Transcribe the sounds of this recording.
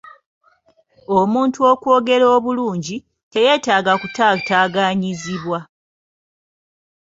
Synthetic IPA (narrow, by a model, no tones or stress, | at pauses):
omuːntuo̞kwo̞ːɡe̞ɾoːβuluːɲɟi | te̞je̞ːtaːɡakutataːɡaɲiziβwa